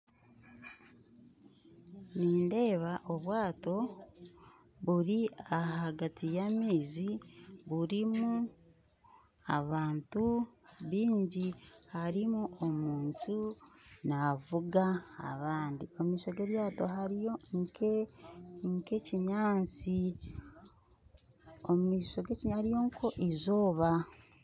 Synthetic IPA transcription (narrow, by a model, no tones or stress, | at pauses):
niːnde̞ːβaʔoβwaːto̞ | βuɾiaɦaɡatʰijamiːziβuɾimu | a̰βaːntuβiːɲɟihaɾimuʔomuːɲcunavuɡa̰ːβaːndiomumiːʃo̞ɡe̞ɾjaːto̞ɦaɾijoŋke | ŋkeciɲaːt͡si | omumiːʃo̞ɡe̞ciɲhaɾijo̞ŋkʰoʔizo̞ːβa